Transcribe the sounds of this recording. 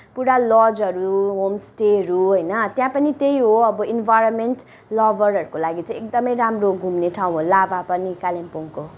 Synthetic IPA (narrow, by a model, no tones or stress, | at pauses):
puɽalɔd͡zʌɾuɦomsʈeʌɾuɦojnʌt̪jãpʌnit̪ejɦoʌbʌinbʱajɾonmenʈ | lʌbʌrɦʌɾukolaɡit͡saĩek̚d̪ʌmʌjɾamroɡʱumneʈʰaw̃ɦolabapʌnikalempuŋko